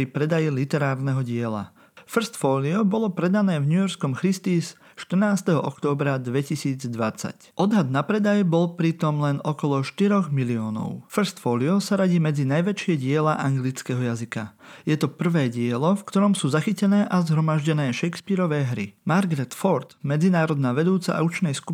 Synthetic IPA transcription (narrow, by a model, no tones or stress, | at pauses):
ɾipɾɛd̪ajilit̪ɛɾaːɾnɛɦɔɟɪɛla̰ | fr̩st̪fɔːliɔbɔlɔpɾɛd̪anɛːvɲujɔɾskɔmxɾist̪iːs | ʃt̪ər̩naːst̪ɛɦɔɔkt̪ɔːbɾad̪ʋɛcisiːd͡zd̪ʋat͡sa̰cɔd̪ɦad̪napɾɛd̪ajɛbɔlpɾit̪ɔmlɛnɔkɔlɔʃt̪iɾɔɣmiliɔːnɔ̰ʊfr̩st̪fɔːliɔsaɾaɟiːmɛd͡zinajʋɛt͡ʃɪɛɟɪɛlaʔaŋɡlit͡skɛɦɔjazika̰jɛt̪ɔpr̩ʋɛːɟɪɛlɔfkt̪ɔɾɔmsuːzaxicɛnɛːʔazɦɾɔmaʒɟɛnɛːʃɛjkspiɾɔʋɛːɦɾḭmaɾɡɾɛt̪fɔɾt̪mɛd͡zinaːɾɔd̪naːʋɛd̪uːt͡sa̰ʔa̰ut͡ʃnɛjsku